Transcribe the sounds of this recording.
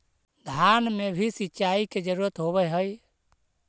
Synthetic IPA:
d̪ʱanmebʱisitːt͡ʃaiked͡ʒəɾuɾət̪ɦoβɛɦəj

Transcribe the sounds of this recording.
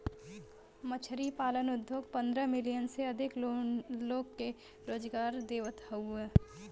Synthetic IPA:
mət͡ʃʰəɾipaːlənʊd̪ʱjoːɡ̚pə̃nd̪ɾəmɪlijənseɐd̪ʱɪkloːɡke | ɾoːd͡ʒɡaːɾd̪eːʋət̪ʰauɛ

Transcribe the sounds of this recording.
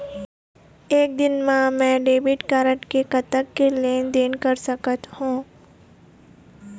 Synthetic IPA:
eːk̚d̪ɪnmãmɛ̃ːɖeːbɪʈkaːɾə̃ʈkekɐt̪əkːeleːnd̪eːnkəɾsəkət̪hũː

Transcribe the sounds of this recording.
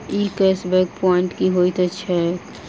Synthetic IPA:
ikesbɛkpɔɪ̃ɳʈkiɦoit̪ət͡ʃːʃʰɛ

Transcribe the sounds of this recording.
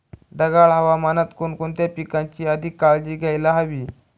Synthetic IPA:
ɖəɡaɭɦəʋamanət̪konkont̪japikãɲt͡ɕiːəd̪ʱikːaɭd͡ʑiːɡʱajlaɦəʋiː

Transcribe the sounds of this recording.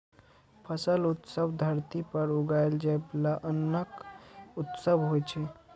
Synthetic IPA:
pʰəsəlut̪səbd̪ʱəɾt̪ipəɾuɡaeld͡ʒajblaʔənːəkut̪səbɦojt͡ʃʰɛ

